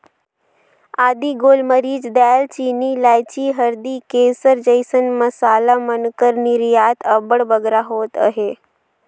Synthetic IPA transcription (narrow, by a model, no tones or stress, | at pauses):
ad̪iːɡolməɾiːd͡ʑd̪alt͡ɕinilajt͡ɕiːɦəɾd̪iːkesəɾd͡ʒəjsənməsalamənkəɾniɾjat̪ʰəbəɽbəɡɾaɦoːt̪ə̰ɦe